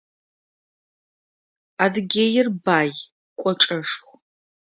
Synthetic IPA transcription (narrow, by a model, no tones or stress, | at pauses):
aːdɨɡʲejɪrbaːj | kʷʼɔʈ͡ʂʼɐʂxʷ